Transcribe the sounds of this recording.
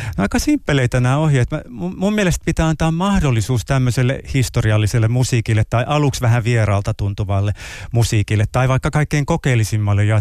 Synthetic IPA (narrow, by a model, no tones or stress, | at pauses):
noɑikːɑsimpːeleit̪ænæohiet̪mæmumummielest̪̚pit̪æːɑnt̪ɑːmmɑhdolːisuːst̪æmːøselːḛhist̪oriɑlːiselːemmusiːkilːet̪t̪ːɑiʔɑluksʋæhæʋierɑːlt̪ɑt̪unt̪uʋɑlːemusiːkilːet̪t̪ːɑiʋɑikːɑkɑikːeiŋkokeːlːˑisimːɑlːejɑ